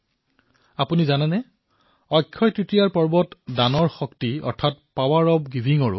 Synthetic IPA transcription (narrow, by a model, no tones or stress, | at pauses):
apunizanɛnɛ | ɔjkʰːɔjtɹitijaɹpɔɹbɔtdanɔɹxɔktiɔ̰ɹtʰat̚pawaɹɔbɡibʱiŋɔɹʊ̰